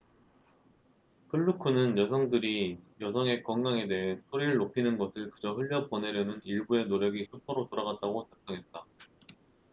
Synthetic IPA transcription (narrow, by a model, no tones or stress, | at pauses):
kʰɯɭːukʰunɯnjʌsʰʌŋdɯɾijʌsʰʌŋe̞kwʌŋɡaŋe̞de̞ɦensʰoɾiɾɯɭːopʰinɯnɡʌsʰɯɭkɯd͡ʑʌɦɯʎːʌp͈ʌne̞ɾjʌnɯniɭbue̞noɾjʌɡisʰupʰʌɾotoɾaɡat̚t͈aɡot͡ɕap̚s͈ʌŋɦe̞t̚t͈a